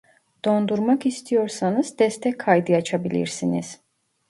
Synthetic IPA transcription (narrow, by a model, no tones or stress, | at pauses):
d̪̥o̞nd̪uɾmakist̪ʰijo̞ɾsanɯzd̪ɛst̪ʰɛcʰːajd̪ɯjat͡ʃʰabilʲḭɾsinḭz̥